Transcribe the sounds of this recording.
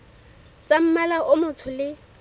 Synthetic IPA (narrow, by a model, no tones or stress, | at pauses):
t͡sam̩malaʔʊmʊt͡sʰʊlɪ